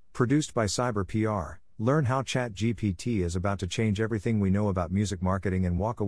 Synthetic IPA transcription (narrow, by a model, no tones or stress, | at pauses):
pʰɹ̥ɨdʉstb̥aɪsaɪbə˞pʰiɑɹ | lɜ̃˞nɦaʊt͡ʃʰæt̚d̥ʒ̥ipʰitʰiɪzɨbaʊtʰːɨt͡ʃʰẽɪ̃nd͡ʒɛvɹiθɪ̃ŋwinoʊəbaʊt̚mjʉzɨk̚mɑɹkɨɾɪ̃ŋɨ̃nwɔkə